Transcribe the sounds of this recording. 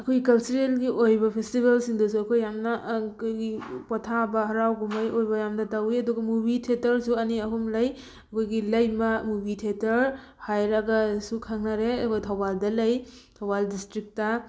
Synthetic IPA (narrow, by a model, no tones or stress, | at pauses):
ɐkʰojikɐlt͡ʃuɾelɡiʔojbɐpʰestibelsiŋdɐs̬uɐkʰojːamnɐkʰojɡipɔtʰabɐɦɐɾawɡumajojbɐjamnɐtawiɐduɡɐmubitʰetɐɾsuɐniɐɦumlɐj | ɐkʰojɡilɐjmɐmubitʰetɐɾ | hajɾɐɡasukʰaŋnaɾeɐkʰojtʰɐwbaldɐlɐjtʰɐwbaldistɾik̚tɐ